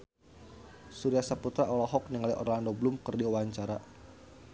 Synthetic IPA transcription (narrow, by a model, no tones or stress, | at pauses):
suɾiasaput̪ɾaɔlɔɦɔk̚niŋaliʔɔ̰rlandoblumkɨrdiuwaɲt͡ʃaɾa